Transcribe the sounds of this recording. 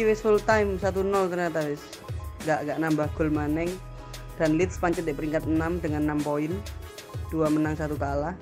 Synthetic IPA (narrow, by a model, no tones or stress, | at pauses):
iwesfult̪aimsat̪unɔlt̪ərɲat̪awɛs | ŋɡaʔŋɡaʔnambahɡ̥ʊ̤lmanɛŋ | d̥anlɪt̪̚spaɲt͡ʃət̪deʔpəɾiŋkat̪̚ənamdəŋanːampoɪn | d̥uamənaŋsat̪ukalah